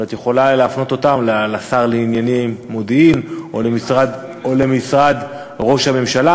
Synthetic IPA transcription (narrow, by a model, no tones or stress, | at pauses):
at̪jeχo̞laleafno̞t̪o̞t̪amlalasaʁleinjanimːod̪iimolemisʁad̪ | o̞le̞misʁad̪ | ʁo̞ʃhame̞mʃala